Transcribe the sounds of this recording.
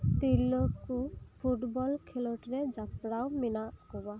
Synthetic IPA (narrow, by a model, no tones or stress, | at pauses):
t̪ilokupʰuʈbɔlkʰeloʈɹɛd͡ʒapɹawminakɔba